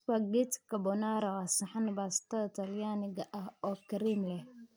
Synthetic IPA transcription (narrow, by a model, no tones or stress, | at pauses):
waɡɪt̪kɐbɔnaɾɐasɐħanbaːst̪ʰɐðɐt̪ʰɐljaːnɪɡɐʔɐɦɔːkɐɾimlɛh